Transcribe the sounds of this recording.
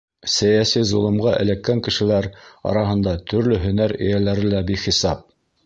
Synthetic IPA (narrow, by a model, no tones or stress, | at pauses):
sæjæsizolˠɤ̆mʁɑʔɘ̰̆lækːæŋkɘ̆ʃɘ̆læɾɑ̰ɾɑɦɤ̆nd̪ɑt̪ʰɵ̆ɾlɵɦɵ̆næɾɘ̰jælæɾɘlæbiχisɑp̚